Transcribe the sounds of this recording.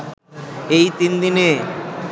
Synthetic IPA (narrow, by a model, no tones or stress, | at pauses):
ejt̪ind̪ine